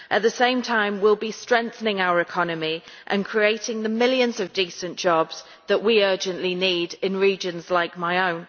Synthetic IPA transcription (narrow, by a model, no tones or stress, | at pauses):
ʔəʔ̪̚ðəsẽɪ̃mtʰãɪ̃mwɪlˠbistɹ̥ɛ̃ŋk̚θənɪ̃ŋaʊəɹɪkʰɒnəmiʔə̰̃nkʰɹ̥ieɪtɪ̃ŋðəmɪljə̃nzəvdiˑsə̃nd̥ʒ̥ɒbz̥ | ðəʔwiɜːˑd͡ʒə̃nʔliniːdɪ̃nɹiːd͡ʒə̃nzlaɪk̚maɪõʊ̃n